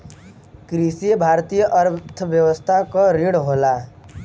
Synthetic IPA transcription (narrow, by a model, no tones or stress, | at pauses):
kɾisijəbʱaɾt̪ijəʔəɾt̪ʰəʋjəwəst̪ʰakɔɾiɽɦoːla